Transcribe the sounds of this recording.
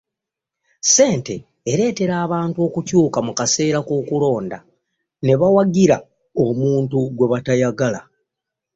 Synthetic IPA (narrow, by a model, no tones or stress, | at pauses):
se̞ːnte̞ː | ɾe̞ːte̞ɾaːβaːntuo̞ːkucuːkamukase̞ːɾakoːkulo̞ːnda̰ | ne̞βawaɡiɾa | o̞muːntuɡwe̞βatajaɡala